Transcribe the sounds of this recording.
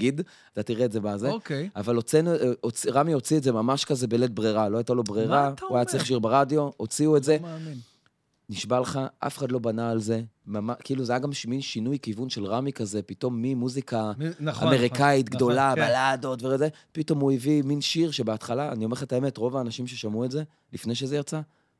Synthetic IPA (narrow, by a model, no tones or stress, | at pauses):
aɡid | at̪at̪iʁeːtzebazekjavalot͡sinuot͡siʁamio̞t͡sietzemamaʃkaze̞belet̚bʁeʁalo̞ajt̪alo̞bʁeʁauajat͡sliχʃ̬iʁbeʁadjo̞ot͡siuetze | niʃbaleχaʔa̰feχadlo̞banaːlze̞mamakiːluzajaɡamʃminʃinujkivunʃelʁamikaze̞pito̞mːimuzikaa̰me̞ʁikait̪ɡdo̞labalado̞tveeze | pito̞muiviminʃiʁʃebeatχalaa̰niomeetaemetʁo̞vaːnaʃimʃeʃamuetze̞ | lifne̞jʃ̬ezejat͡sa